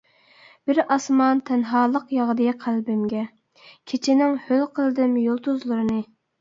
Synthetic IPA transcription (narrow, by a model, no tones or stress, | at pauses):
b̥ɪɾɑsmɑnt̪ʰɛnɦɑːlˠəqjɑʁd̪ɨqʰælbɪmɡʲɛ | kʲʰet͡ʃʰɪnɪŋhølqʰəlˠd̪ɪmjolˠt̪uzlˠuɾɨnɨ